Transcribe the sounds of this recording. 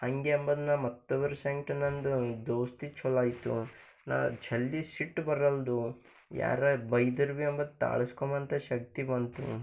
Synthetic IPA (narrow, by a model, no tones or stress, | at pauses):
ɐŋɡeɐmbɐd̪nɐmɐt̪ːɐbɐɾuseɳʈɐnːɐnd̪ud̪oːst̪it͡ʃʰɔlaːjit̪ṵ | na̰ːt͡ʃʰɐlːisiʈːbɐɾɐld̪u | ja̰ːɾɐbɐjd̪ɐɾʋiɐmbɐd̪ut̪a̰ːɭɐskomɐnt̪ɐʃɐk̚t̪ibɐnt̪ṵ